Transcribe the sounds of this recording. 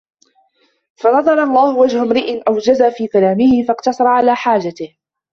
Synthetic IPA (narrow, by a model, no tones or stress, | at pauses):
fanɑðˤɑɾˤɑlˤːɑːhʊwad͡ʒhʊmɾɪʔɪnʔawd͡ʒazaːfiːkalaːmɪhɪfɑqt̪ɑsˤɑɾˤɑʕalaːħaːd͡ʒat̪ɪh